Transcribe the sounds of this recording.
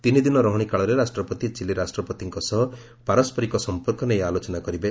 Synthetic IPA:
t̪inid̪inɔɾɔɦɔɽ̃ikaɭɔɾeɾasʈɾɔpɔt̪it͡ʃiliɾasʈɾɔpɔt̪iŋkɔsɔɦɔ | paɾɔspʰɔɾikɔsɔmpɔɾkɔnejalot͡ʃɔnakɔɾibe

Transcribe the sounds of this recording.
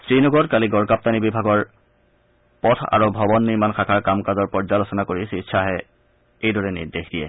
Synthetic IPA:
stɹinɔɡɔtkaliɡɔɹkap̚tanibibʱaɡɔɹ | pɔtʰa̰ɹobʱɔbɔnːiɹmanxʰakʰaɹkamkazɔɹpɔɹzalosɔnakoɹisiʃʰaɦɛ | ejdɔɹɛnḭɹdexdijɛ̰

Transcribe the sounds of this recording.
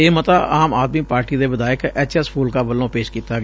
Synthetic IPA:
eːmət̪aːʔaːmaːd̪miːpaːɾʈiːd̪eːʋəd̪aːɪkɛːt͡ʃɛspʰuːlkaːbəlːõːpeːʃkiːt̪aːɡ

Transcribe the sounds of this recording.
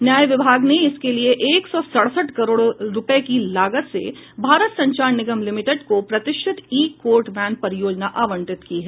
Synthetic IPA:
njaːjʋɪbʱaːɡneɪskelieʔeːksɔsɐɽ̤səʈkɐɾoːɽɾʊpəekilaːɡət̪sḛbʱaːɾət̪sɐ̃ɲt͡ʃaːɾnɪɡəmlɪmɪʈeɖkopɾɐt̪ɪʃʈʰɪt̪iːkoːɾʈʋɛːnpɐɾjoːd͡ʒnaʔaːʋə̃ɳʈɪt̪kiɦɛː

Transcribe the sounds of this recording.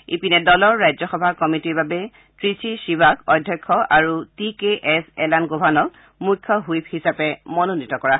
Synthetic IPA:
ḭpinɛdɔlɔɹːajzɔxɔbʱakɔmitiɹbabɛ | tɹisiʃibakɔjdʱːjɔjkʰːɔʔaɹutikeʔɛsɛlanɡobʱanɔk | mujkʰːɔɦujphisapɛmɔnonitɔkɔɹa

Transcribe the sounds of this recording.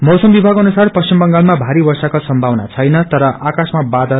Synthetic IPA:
mʌsʌmbibʱaɡʌnusarpʌst͡ɕʰimbʌŋɡalmabʱaɾibʌrsakosʌmbʱawna̰t͡sʰʌjnʌt̪ʌɾʌʔakasmabad̪ʱʌ

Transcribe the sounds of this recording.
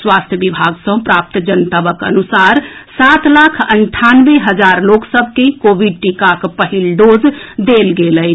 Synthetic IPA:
swast̪ʰjəbibʱaɡsə̃pɾap̚t̪d͡ʒənt̪abəkə̰nusaɾsat̪lakʰəɳʈʰanbeɦəd͡ʒaɾloksəbʱkekobiɖ̚ʈikakpəɦilɖod͡ʒd̪elɡelə

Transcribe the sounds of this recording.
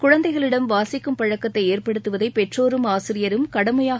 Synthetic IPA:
kʊɻɐnd̪ɐɪɣɐɭɪɽɐmʋaːsɪkːɯmpɐɻɐkːɐt̪ːɐɪeːrpɐɽɯt̪ːɯʋɐðɐɪpɛʈroːɾɯmaːsɪɾɪjɐɾɯmkɐɽɐmɐjaː

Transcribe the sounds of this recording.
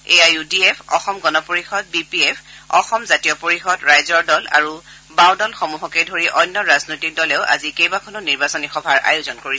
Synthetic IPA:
eajudiepʰɔ̰xɔmɡɔnɔpoɹixɔd̚bipiepʰɔxɔmzatiɔpoɹixɔdɹajzɔɹdɔla̰ɹu | baw̃dɔlxomuɦɔkɛdʱoɹiʔɔjnːɔɹaznojtik̚dɔlɛʊʔa̰zikejbakʰɔnɔniɹbasɔnixɔbʱaɹa̰jʊzɔnkoɹisɛ

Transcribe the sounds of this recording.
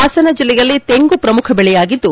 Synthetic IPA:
aːsɐnɐd͡ʒilːɛjɐlːit̪eŋɡupɾɐmukʰɐbɛɭɛjaːɡid̪ːu

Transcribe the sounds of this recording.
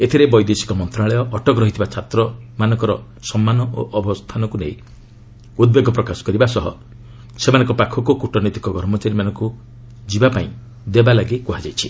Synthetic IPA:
et̪ʰiɾebɔjd̪esi̥kɔmɔnt̪ɾaɭɔjɔʔːʈɔkɾɔɦit̪ʰibat͡ʃʰat̪ɾɔmanɔŋkɔɾɔ | sɔmːanɔʔoʔɔbʱɔst̪ʰanɔkuneĩ | ud̪̚beɡɔpɾɔkasɔ̥kɔɾibasɔɦɔ̰ | semanɔ̃ŋkɔpakʰɔkukuʈɔnɔt̪i̥kɔɡɔɾmɔt͡ʃaɾimanɔ̃ŋku | d͡ʒibapaĩ | d̪ebalaɡikuɦad͡ʒajt͡ʃʰi

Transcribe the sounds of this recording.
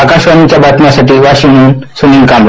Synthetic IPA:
akaʃʋanit͡ɕjabat̪nasaʈiːʋaɕiɦuːnsuniŋɡkam

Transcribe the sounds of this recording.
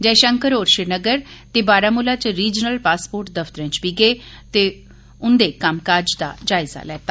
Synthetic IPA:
d͡ʒɛːʃəŋkəɾoːɾʃɪɾnəɡəɾt̪eːbaːɾaːmulaːt͡ʃɾiːd͡ʒnəlpaːspoːɾʈd̪əft̪əɾə̃ːt͡ʃbiːɡeː | t̪e | ʊnd̪eːkəmkaːɾd͡ʒd̪a̰ːd͡ʒaːɪza̰lɛːt̪aː

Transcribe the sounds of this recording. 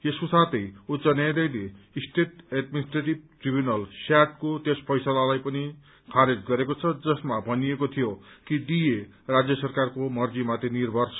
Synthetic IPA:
esosat̪ʌjut͡sʌnjajd̪ʌjle | sʈet̪edminisʈreʈib̚ʈribjunʌlsaʈ̚kot̪espʌjsalalajpʌni | kʰaɾed͡zɡʌɾekot͡sʰʌd͡zʌsmabʱʌniekot̪ʰijokid̪ije | rad͡zjʌsʌrkarkomʌrd͡zimat̪ʰenirbʱʌrsʰʌ

